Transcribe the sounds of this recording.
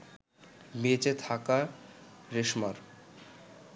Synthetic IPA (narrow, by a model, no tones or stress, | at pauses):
met͡ɕet̪ʰaka | ɾeʃmaɾ